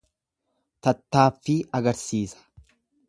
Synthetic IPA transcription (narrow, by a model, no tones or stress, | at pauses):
t̪ɐt̪ːaːfːɪɐɡɐɾsiːsɐ̥